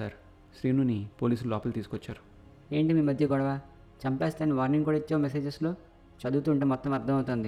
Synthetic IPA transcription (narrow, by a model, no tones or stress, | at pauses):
aɾ | ʃɾiːnuːnipoːliːs̬ululɔːpɐlt̪iːsukɔt͡ʃːaːɾu | e̞ːɳʈimiːmɐd̪ʱjɐɡɔɽɐʋaː | t͡ʃɐmpeːst̪aːnːiʋaːɾniŋkuːɽaːit͡ʃːeʋɐmese̞ːd͡ʒesloː | t͡ʃɐd̪uːt̪uːɳʈeːmɔt̪ːɐmɐɾd̪ʰʱɐmɐwt̪oːnd̪i